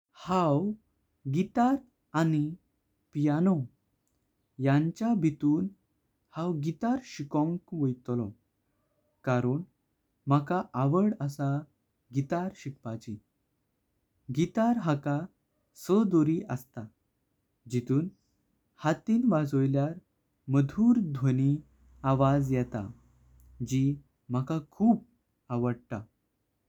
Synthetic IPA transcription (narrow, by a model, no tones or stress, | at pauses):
haw | ɡit̪aɾ | ani | pijanɔ | jãɲt͡ɕjabʱit̪uːn | hãwɡit̪aɾɕikɔ̃ŋkʋəjt̪lɔ | kaɾəɳ | m̤akaʔaʋəɽəsa | ɡit̪aɾɕikpat͡ɕi | ɡit̪aɾɦaka | səd̪oɾiʔəst̪a | d͡ʑit̪uːn | hat̪iːnʋad͡zojljaɾ | məd̪ʱuːɾd̪ʱʋəni | aʋad͡zjɛt̪a̰ | d͡ʑi | m̤akakʰuːp̚ | aʋəɽt̪a